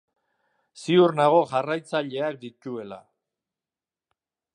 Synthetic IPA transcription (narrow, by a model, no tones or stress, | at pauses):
siuɾnaɣ̞o̞ʝarajt͡saʎe̞ak̚d̪ic̪ue̞la̰